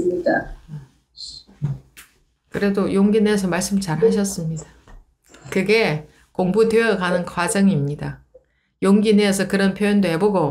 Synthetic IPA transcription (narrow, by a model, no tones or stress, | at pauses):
ita | kɯɾe̞dojoŋɡineʌs̬ʰʌmaɭs͈ɯmt͡ɕaɾɦaɕ̬ʰʌs͈ɯmɲidḁ | kɯɡe̞ | koŋbudweʌkanɯnkwad͡ʑʌŋimɲida | joŋɡineʌs̬ʰʌkɯɾʌnpʰjojʌndohe̞boɡo